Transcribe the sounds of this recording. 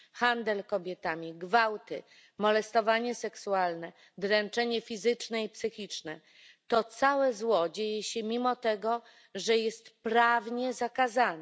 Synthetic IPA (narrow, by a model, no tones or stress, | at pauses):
xand̪ɛlkɔbʲjɛt̪amʲiɡvawt̪ɘ | mɔlɛst̪ɔvaɲɛsɛksualnɛ | d̪ɾɛnt͡ʂɛɲɛfʲizɘt͡ʂnɛipsɘxʲit͡ʂnɛ | t̪ɔt̪sawɛzwɔd͡ʑejɛɕɛmʲimɔt̪ɛɡɔ | ʐɛjɛst̪pɾavɲɛzakazanɛ